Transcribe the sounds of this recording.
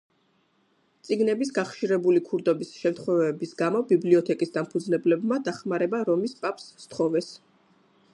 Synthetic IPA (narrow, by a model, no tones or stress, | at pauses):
t̪sʼiɡnɛbis̬ɡaχʃiɾɛbulikʰuɾd̪ɔbisʃɛmt̪χɔvɛbisɡamɔbibliɔt̪ʰɛkʼisd̪ampʰud̪znɛblɛbmad̪aχmaɾɛbaɾɔmispʼapʼst̪ʰχɔvɛs